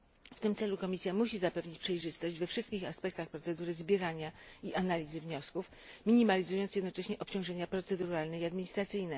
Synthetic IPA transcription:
ft̪ɘmtsɛlukɔmʲisʲjamuɕizapɛvɲit͡ɕpʂɛjʐɘst̪ɔʑd͡ʑvɛfʂɘst̪kʲixaspɛk̚t̪axpɾɔt̪sɛd̪uɾɘzbʲjɛɾaɲaiʔanalʲizɘvɲɔskuf | mʲiɲimalʲizujɔnt̪sjɛd̪nɔt͡ʂɛɕɲɛʔɔpt͡ɕɔ̃w̃ʐɛɲapɾɔt̪sɛd̪uɾalnɛiad̪mʲiɲist̪ɾat̪sɘjnɛ

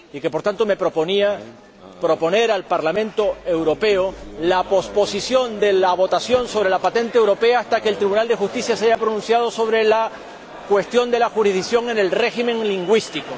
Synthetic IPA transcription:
ike̞po̞ɾt̪ant̪o̞me̞pɾo̞po̞nia | pɾo̞po̞ne̞ɾalpaɾlamẽ̞nt̪o̞e̞wɾo̞peolapo̞spo̞sisjo̞nd̪e̞laβo̞t̪asjo̞nso̞βɾe̞lapat̪e̞nt̪eewɾo̞pe̞aːst̪akeːlt̪ɾiβunald̪exust̪isjasaʝapɾonũnsjað̞o̞so̞β̞ɾela | kwe̞st̪jo̞nd̪e̞laxuɾizðiksjo̞ŋe̞ne̞lre̞ximẽ̞ŋliŋɡwist̪iko

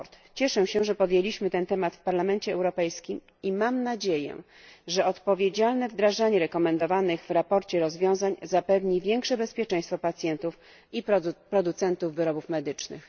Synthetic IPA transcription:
ɾt̪ | t͡ɕɛʂɛɕɛʐɛpɔd̪jelʲiɕmɘt̪ɛnt̪ɛmat̪fpaɾlamɛnt͡ɕɛːwɾɔpɛjskʲim | imamnad͡ʑejɛ̰ | ʐɛɔt̪pɔvʲjed͡ʑalnɛvd̪ɾaʐaɲɛɾɛkɔmɛnd̪ɔvanɘɣvɾapɔɾt͡ɕɛɾɔzvʲjɔ̃w̃zaɲzapɛvɲivʲjɛŋkʂɛbɛspʲjɛt͡ʂɛ̃j̃st̪fɔpat̪sʲjɛnt̪uf | ippɾɔd̪ut̪sɛnt̪uvːɘɾɔbufmɛd̪ɘt͡ʂnɘ̰x

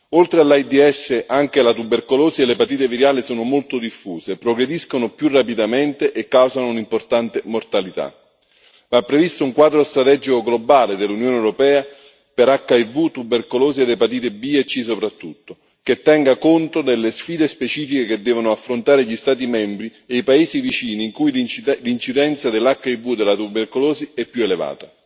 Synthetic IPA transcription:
olt̪ɾealːajd̪iɛsːeʔaŋk̟elat̪ubːerkoloːzielepat̪iːt̪eviɾjaːlisoːnomolt̪od̪ifːuːzepɾoɡɾed̪iskonopjurːapid̪ament̪eʔekːawzanounimport̪ant̪emort̪alit̪a̰ | mapːɾevist̪ʊuŋkwaːd̪ɾost̪ɾat̪ɛd͡ʒikoɡlobaːled̪elːunjoːnɛwɾopɛːa | peɾakːaivut̪ubːerkoloːzied̪ːepat̪̬iːt̪ebiɛt͡ʃːis̬opɾat̪ːut̪ːo | ket̪ːɛŋɡakont̪od̪elːesfiːd̪espet͡ʃiːfikeked̪ːɛːvonʊafːɾont̪aːɾeʎist̪aːt̪̬imɛmbɾieipaeːzivit͡ʃiːniːŋkujlint͡ʃid̪ɛnt̪sad̪elːakːaivːud̪elːat̪uberkoloːziɛpːjueleva̰ːt̪a

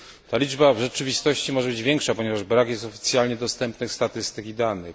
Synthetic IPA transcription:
t̪alʲid͡ʐbavʐɛt͡ʂɘvʲist̪ɔɕt͡ɕimɔʐɛbɘd͡ʑvʲjɛŋkʂapɔɲɛvaʐbɾakjɛst̪ɔfʲi̥t̪sʲjalɲɛd̪ɔst̪ɛmpnɘxst̪at̪ɘst̪ɘkʲid̪anɘx

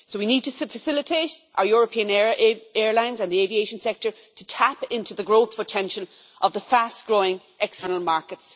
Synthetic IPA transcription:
sowinid̚tʰəsfəsɪlɪtʰeɪɾʔa̰ʊə˞jɔːɹəpʰĩə̃nɛɛːɹlãɪ̃nzə̃nðievieɪʃə̃nsɛk̚tə˞ | tʰətʰapɪ̃ntuðəɡɹoʊθpʰətʰɛ̃nʃəl | ʔəvðəfastɡ̥ɹoːɪ̃ŋ | ɛkstʰɜ˞nəlˠmaɹkəts

